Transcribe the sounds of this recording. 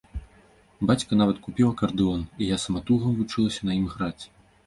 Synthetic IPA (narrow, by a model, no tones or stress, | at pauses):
bat͡sʲkɐnavɐt̪kupʲilˠɐkɐrd̪ɨɔnijasɐmɐt̪uɣɐmvut͡ʂɨlˠɐsʲɐnɐjimɣɾat͡sʲ